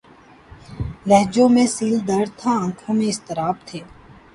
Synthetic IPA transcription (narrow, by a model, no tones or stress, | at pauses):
lɛɦd͡ʒõmẽsiːld̪əɾɽt̪ʰaə̃ːkʰõmẽɪst̪ɪɾaːbt̪ʰeː